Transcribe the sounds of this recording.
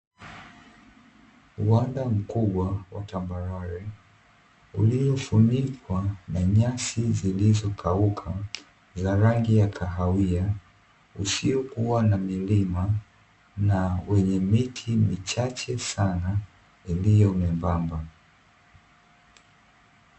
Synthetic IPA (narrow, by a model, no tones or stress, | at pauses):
uwandam̩kuɓwawa̰tambaɾaɾɛ | ṵliɔfunikwanaɲasizilizɔkʰaukʰa | zaɾaŋɡijakʰaɦawia | usiɔkuwanamilima | nawɛɲɛmitʰimit͡ʃat͡ʃɛsana | ilijɔumɛmbamba